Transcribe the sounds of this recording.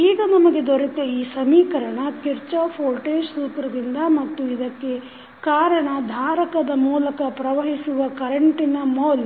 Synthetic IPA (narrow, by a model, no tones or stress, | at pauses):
iːɡɐnɐmɐɡe̞d̪oɾit̪eiːsɐmiːkɐɾɐɳɐkiɾt͡ʃɐpʰoːlʈeːʃsuːkɾɐd̪ind̪ɐmɐt̪ːuid̪ɐkːe̞ | kaːɾɐɳɐd̪ʱaːɾɐkɐd̪ɐmuːlɐkɐpɾɐʋɐɦisuʋɐkɐɾɐɳʈinɐmoːl